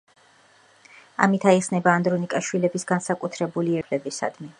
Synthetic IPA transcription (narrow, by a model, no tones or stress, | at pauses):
a̰mit̪ʰaiχsnɛbaːnd̪ɾɔnikʼaʃwilɛbisɡansakʼut̪ʰɾɛbuliɛɾlɛbisa̰d̪̥mi